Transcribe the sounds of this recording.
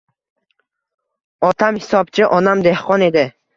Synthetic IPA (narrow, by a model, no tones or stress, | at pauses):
ɒt̪ʰamhisɒb̚t͡ʃʰɪʔɒnamd̪e̞hqʰɒne̞d̪ɪ